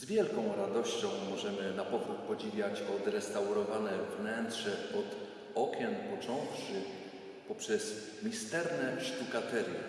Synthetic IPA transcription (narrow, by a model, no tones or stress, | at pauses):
zvʲjɛlkɔ̃w̃ɾad̪ɔɕt͡ɕɔ̃w̃mɔʐɛmɘnapɔvɾut̪̚pɔd͡ʑivʲjat͡ɕɔd̪ɾɛst̪awɾɔvanɛvnɛnt̪ʂɛpɔd̪ | ɔkʲjɛnpɔt͡ʂɔ̃w̃ʂɘ | pɔpʂɛs | mʲist̪ɛɾnɛʂt̪ukat̪ɛɾjɛ̰